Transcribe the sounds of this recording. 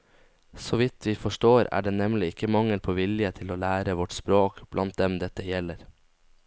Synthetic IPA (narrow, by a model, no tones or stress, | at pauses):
soʋɪt̪ʰʋiːfɔʂʈoːɾæ̰ːɖeːnɛmlɪɪkːəmɑŋːəlpʰoːʋɪljət̪ʰɪloːlæːɾəʋɔʈspɾoːkb̥lʔɑnt̪̚d̪ɛmd̪ɛt̪ːəjɛləɾ